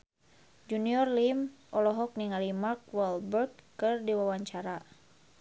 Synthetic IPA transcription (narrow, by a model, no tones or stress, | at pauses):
d͡ʒuniɔrlimʔɔlɔɦɔk̚niŋalimark̚wɛlbərt̪̚kɨrdiwawaɲt͡ʃaɾa